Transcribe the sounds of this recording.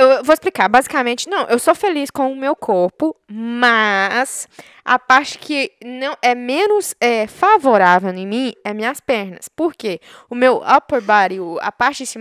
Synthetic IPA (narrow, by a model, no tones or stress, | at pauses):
ewvoesplikaɾbazikamẽt͡ʃɪnɐ̃w̃ʔewsofeliskõw̃ʊmewkʰoɾpʊmɐs | a̰paɾt͡ʃɪ̥kʰɪnɐ̃w̃ɛmẽnʊsɛfavoɾavew̪ẽmĩɛmĩɲɐspɛɾnɐspoɾkeʊmewapoɾbaɾiʊa̰paɾt͡ʃĩsĩ